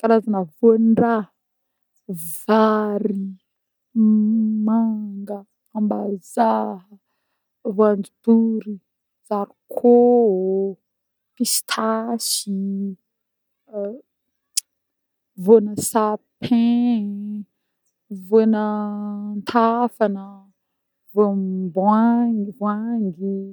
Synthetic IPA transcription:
kaɾazanəvonra | vaɾi | maŋɡə | ambazaɦə | voand͡zud̥uɾi | z̥aɾikʰo | kisi̥t̪ʰasi | vonəsapʰẽ | vonənt̪ʰafanə | vobavwaŋɡi

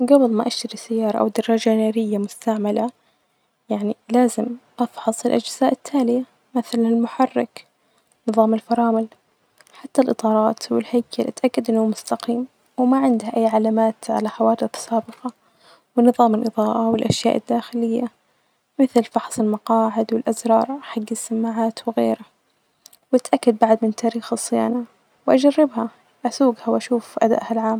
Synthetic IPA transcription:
ɡabɨðˤmaʔaʃt̪aɾisajːɑːɾˤɑʔa̰wd̪ɑɾˤːɑːd͡ʒanaːɾɪjːamʊst̪aʕmala | jaʕnilaːzɪmʔɑfħɑsˤɪlʔad͡ʒz̥aːʔɪt̪ʰːaːlɪja | maθalanɪlmʊħɑrˤːɪk | nɨðˤɑːmɪlfɑɾˤɑːmʊl | ħat̪ːalʔɨt̪ˤɑːɾˤɑːt̪wɪlhaːkʰalʔat̪ʔakːad̪ʔɪnːuːmʊst̪aqiːm | wɪmaʕɪnd̪haʔajːʕalaːmaːt̪ʕa̰laħawɑːd̪ɨθˤsaːbɨqɑ | wɪnɨðˤɑːmɪlʔɨðˤɑːʔawɪlʔaʃja̰ːʔɪd̪ːaːxɪlɪjːa | mɪθlfɑħsˤɪlmɑqɑːʕɪd̪wɪlʔazɾˤɑːɾˤħaɡːɪsːamːaʕaːt̪wɪɣeːɾa | wʔat̪ʔakːad̪̚baʕd̪mɪnt̪aːɾiːxɨsˤːɨja̰ːna | wʔad͡ʒarːɪbha | ʔasuːɡhawʔaʃuːfʔad̪a̰ʔhalʕaːm

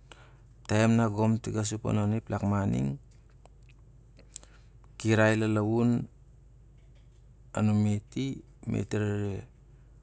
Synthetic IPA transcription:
taemnaɡomtiɡas̬upo̰noniplakmanḭŋ | kiɾajlalawun | a̰nometi | mʔḛtiɾaɾe

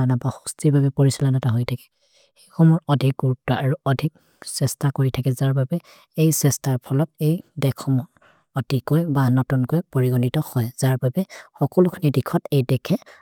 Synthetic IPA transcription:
anabaxu̥stibabɛpoɹisilanataɦojtʰakɛ̥ | xexɔmɔɹɔdʱik̚ɡuɹup̚tɔʔaɹuɔdʱik | sɛstakoɹitʰakɛzaɹbabɛ | ejsɛstaɹpʰɔlɔt̚ejdɛkʰɔmɔɹ | ɔtikojbanɔtunkojpoɹiɡɔnitɔhɔjz̥aɹbabɛxɔkɔlʊkʰinidikʰɔtejdɛkʰɛ

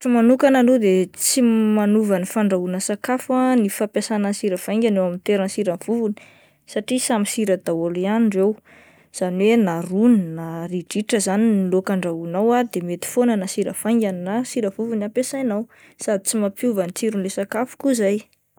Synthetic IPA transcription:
fimanukanalod̪et͡simanuvanifaɳɖ͡ʐaɦunəsakafanifapjasanənsiɾəfaj̃ŋɡʲanewamint̪eɾənsiɾəv̥uvuni̥ | saʈ͡ʂisamisiɾəd̪̥awolianɳɖ͡ʐew | z̥aniwenaruninaɾiɖ͡ʐiʈ͡ʂəzaninilokaɳɖ͡ʐaunawad̪emet̪i̥fonanasiɾə̰faj̃ŋɡʲannasiɾəv̥uvunapesajnaw | sad̪i̥t͡simapuvanit͡siɾunlesakafu̥kuzaj

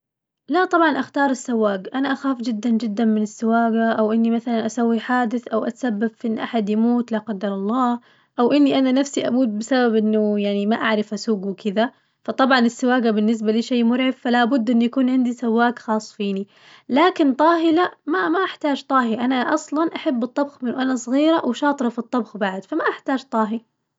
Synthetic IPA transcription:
laʔt̪ˤɑbʕɑnʔaxt̪ɑːɾˤɪsːawːaːɡʔanaʔaxaːfd͡ʒɪd̪ːand͡ʒɪd̪ːanmɪnɪsːɪwaːɡaʔawʔɪnːimaθalanʔasawːiħaːd̪ɪθʔawʔat̪sabːabfiʔɪnːʔaħad̪jamuːt̪laqɑd̪ːɑɾˤɑlˤːɑː | ʔawʔɪnːiʔananafsiʔa̰muːd̪̚bɪsababʔɪnːʊjaʕnimaʔaʕɾɪfʔasuːɡwɪkɪd̪a | fɑt̪ˤɑbʕɑnɪsːɪwaːɡabɪnːɪs̬baliːʃeːmʊɾʕɪffalabʊd̪ːʔɪnːujakuːnʕɪnd̪isawːaːkxɑːsˤːfiːni | laːkɪnt̪ˤɑːɦɪlamamaʔaħt̪aːd͡ʒt̪ˤɑːɦiʔanaʔɑsˤlɑnʔaħabːɨt̪ˤːɑbxmɪnːʊʔanasˤɣiːɾawʃɑːt̪ˤɾˤɑfit̪ˤːɑbxbaʕd̪famaʔaħt̪aːd͡ʒt̪ˤɑːɦi

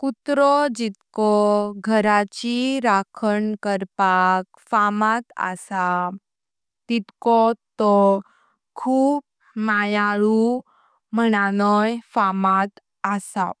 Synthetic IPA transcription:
kut̪ɾɔd͡ʑit̪kɔɡʱəɾat͡ɕiɾakʰəɳkəɾpak | famat̪a̰sa | t̪it̪kɔt̪ɔ | kʰuːp̚ | majaɭu | məɽanɔjfamat̪ | asa

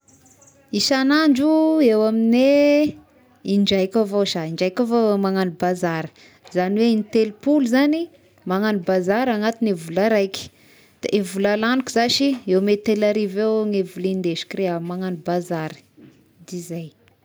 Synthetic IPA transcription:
isanaɳd͡ʒuewamine | iɳd͡ʒajkʲavoʃaiɳd͡ʒajkavomaŋanibazaɾə̥ | zaniweinit̪elpulzani | maŋanibazaɾaŋat̪inevulaɾajkʲi̥ | d̪̥a̰ʔevulalanukizaʃiewmet̪elaɾivewŋevulind̪eʃi̥kɾeamaŋanibazaɾə̥ | d̪izaj

